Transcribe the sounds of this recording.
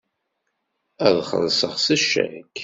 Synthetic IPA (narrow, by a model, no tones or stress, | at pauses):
æðχə̰ðsəʁsæʃːæ̰k